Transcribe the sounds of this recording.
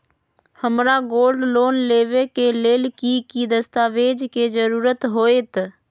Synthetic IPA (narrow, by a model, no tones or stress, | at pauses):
həmɾaɡoːlɖloːnleːʋekeleːlkikid̪əst̪aːʋeːd͡ʒked͡ʒəɾuːɾət̪ɦoːeːt̪